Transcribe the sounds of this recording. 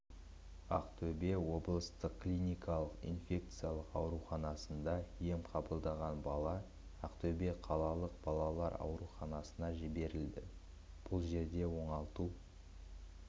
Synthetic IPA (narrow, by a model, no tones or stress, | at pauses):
ɑ̰qt̪ʰɵbe̞wo̞blˠəst̪əqklʲijnʲijkʰɑlˠəqḭnfʲe̞k̚t̪sɨjalˠəqɑwɾuχɑnɑsənd̪ɑje̞mqʰɑbəlˠd̪ɑʁɑnbɑlˠɑ | ɑqt̪ʰɵbe̞qʰɑlˠɑlˠəq̚bɑlˠɑlˠɑɾɑ̰wɾuχɑnɑsənɑʒɪbe̞ɾɪld̪ɪ | b̥ʊlˠʒe̞ɾd̪e̞wo̞ɴɑlˠt̪u